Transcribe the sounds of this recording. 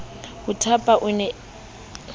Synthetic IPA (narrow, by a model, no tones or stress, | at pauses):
hʊtʰapʼaʔʊnɛ